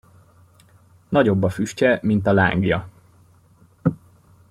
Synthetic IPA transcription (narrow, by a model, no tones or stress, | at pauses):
nɒɟo̞bːɒfyʃcɛmint̪ɒla̰ːŋɡjɒ̰